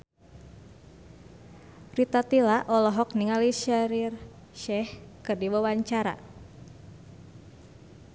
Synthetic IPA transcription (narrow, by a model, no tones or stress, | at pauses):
rit̪at̪ilaʔɔlɔɦɔk̚niŋaliʃaɾir | ʃɛhkɨrdiwawaɲt͡ʃaɾa̰